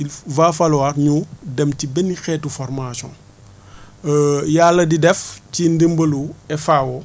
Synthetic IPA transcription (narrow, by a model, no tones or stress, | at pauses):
ilvaːfɐlwarɲudɛmtibɛnixɛːtufɔrmasɔ̰̃ | jalːɐdidɛfcindəmbəluɛfawɔ